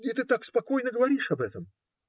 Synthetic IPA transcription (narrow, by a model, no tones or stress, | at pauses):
ɪt̪ɨt̪akspɐko̞jnəɡəvɐɾʲiʂɐbɛt̪əm